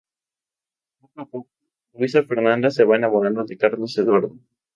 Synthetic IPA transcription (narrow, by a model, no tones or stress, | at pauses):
pokapok̚o | lwis̬afeɾnãnd̪aseβaenaβonanoðekaɾloseðwaɾðo